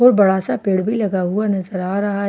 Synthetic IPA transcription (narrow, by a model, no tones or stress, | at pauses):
ɔːɾbɐɽaːsapeːɽbʱilɐɡaɦʊanɐzəɾaːɾɐɦa